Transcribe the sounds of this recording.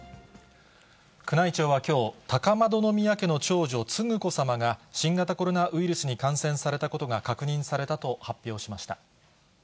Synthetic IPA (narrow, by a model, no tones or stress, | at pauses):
kɯ̟nait͡ɕo̞ːβakʲo̞ːt̪akamad̪o̞no̞mʲiake̞no̞t͡ɕo̞ːʑo̞t͡sɨŋɯ̟ko̞samaɡaɕĩŋɡat̪ako̞ɾo̞naʔɯ̟iɾɯ̟sɨɲ̟ikãɰ̃sẽ̞ɰ̃saɾe̞t̪ako̞t̪o̞ɡakakɯ̟ɲ̟ĩɰ̃saɾe̞t̪at̪o̞hapʲːjo̞ːɕimaɕi̥t̪a